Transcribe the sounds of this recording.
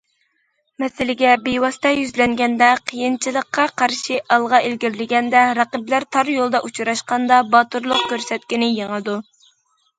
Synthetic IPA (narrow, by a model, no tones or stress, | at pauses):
mɛsɪlɪɡʲɛbewɑst̪ʰɑjyzlɛŋɡʲɛnd̪ɛqʰəjint͡ʃʰilˠəqːɑqʰɑɾʃiʔɑlˠʁɑʔelɡʲiɾlɪɡʲɛnd̪ɛɾɑqəblæɾt̪ʰɑɾjolˠd̪ɑʔut͡ʃʰɾɑʃqɑnd̪ɑbɑt̪uɾlˠʊq̚kʲøɾsɛt̪̚kʲinɪjeŋɨd̪u